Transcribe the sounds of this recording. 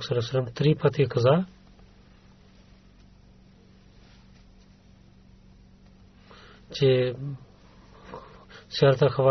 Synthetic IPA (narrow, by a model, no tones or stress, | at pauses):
ksəlesələmt̪ɾiːpət̪ʰikəzaː | t͡ʃeː | sɪjaːɾət̪axʰəʋaː